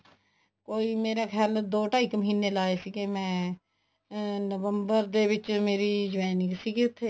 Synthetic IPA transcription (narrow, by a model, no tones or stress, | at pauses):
koːiːmeːɾaːkʰjaːld̪oːʈaːɪkməɦiːnelaːesiːkemɛ̃ː | nəʋəmbəɾd̪eːʋɪt͡ʃmeːɾid͡ʒʋɛːnɪksiket̪ʰːeː